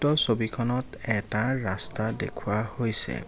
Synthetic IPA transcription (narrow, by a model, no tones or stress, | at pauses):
tɔsobikʰɔnɔt | ɛtaɹastadḛkʰuahojsɛ̰